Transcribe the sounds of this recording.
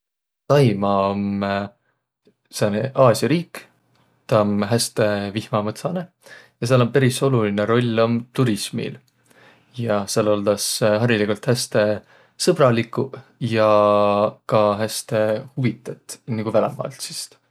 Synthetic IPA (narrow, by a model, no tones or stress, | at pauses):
t̪ɑjmɑom | seneʔɑːsjɑɾiːkː | t̪ɑmɦæst̪e̞vihmɑmɤt̪sɑne̞ | jɑseɑlo̞mpæɾiso̞lulineɾo̞lʲːo̞mt̪uɾismḭl | jɑselold̪̥ɑsɦɑɾilikult̪hæst̪e̞ | sɤb̥rɑlikːˑujɑ | kɑɦæst̪e̞huvit̪ːˑet̪ːˑniɡ̥uvælemɑ̰lt̪si̥st̪